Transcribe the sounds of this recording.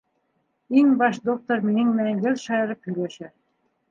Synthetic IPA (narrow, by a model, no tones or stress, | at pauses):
iŋbɑʃd̪ok̚t̪ormiɘŋmæŋɡɘ̆lʲʃɑjɤ̆ɾɤpyleʃɘ̆